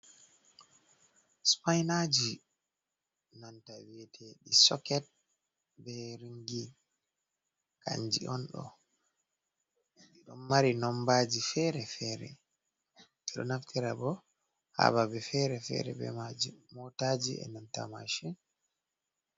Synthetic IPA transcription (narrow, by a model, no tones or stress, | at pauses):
spajnad͡ʒi | nantawiɛtʰɛɗisɔkɛt̚ | bɛɾiŋɡi | ka̰ɲd͡ʒḭɔnɗɔ̰ | ɛɗɔmːaɾinɔmbad͡ʒifɛɾɛfɛɾɛ̰ | ɛɗɔ̰naftʰiɾabɔ | ha̰βabɛfɛɾɛfɛ̰ɾɛ̰bɛ̰mad͡ʒimɔtad͡ʒiɛ̰nanta̰ma̰ʃin